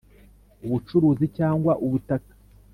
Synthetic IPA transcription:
uβut͡ʃuɾuːzicaːŋɡwaʔuβutakḁ

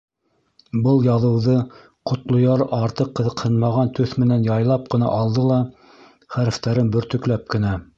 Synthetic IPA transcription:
bɤlˠjɑðɤ̆wðɤ | qŏt̪lˠŏjɑɾʔɑɾt̪ɤqːɤ̆ðɤ̆qhɤnmɑʁɑnt̪ɵθmɘ̆nænjɑjlˠɑp̚qɤ̆nɑ̰ʔɑlˠd̪ɤlˠɑ | χæɾɘ̆ft̪æɾɘnbɵ̆ɾt̪ɵ̆klæp̚kɘ̆næ

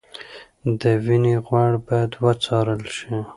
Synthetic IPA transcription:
d̪əwineɣwaɽbɑjad̪wət͡sɑɾəlʃi

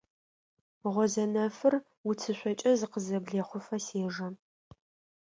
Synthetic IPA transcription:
ʁʷɔzɐnɐfɨr | wʊt͡sʰɨɕʷʼɔt͡ʃʼɐzɨqəzɐbɮeːχʷʊfɐseːʒɐ

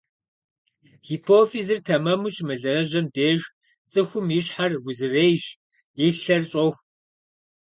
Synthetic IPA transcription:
xiːpʰoːfizɨrtʰɐmɐmuɕmɨɮɐrɐʑɐmdeːʒ | t͡sʼɨxʷʊmjɪɕħarɡʷʊzɨreːjʒ | eɬɐrɕʼox

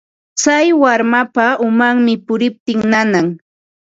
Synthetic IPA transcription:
t͡sajwaɾmapaʊmaŋmɪpʊɾɪp̚t̪ɪŋnanaŋ

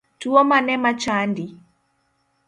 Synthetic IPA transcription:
tuɔmanɛmat͡ʃandi

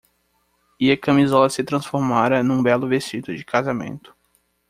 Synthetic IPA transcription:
iɐkɐ̃mizɔlɐsɪt̪ɾɐ̃sfoɾmaɾɐnũbɛlʊvest͡ʃid̪ʊd͡ʒɪkʰazamḛ̃nt̪ʊ̥

